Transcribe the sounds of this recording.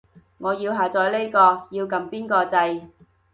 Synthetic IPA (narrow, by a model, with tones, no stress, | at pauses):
ŋɔː˨˧jiː˧wɦaː˨˩t͡sɔː˨˧jle˥jkɔː˧jiː˧wkɐ˨˧mpiː˥nkɔː˧t͡sɐ˧j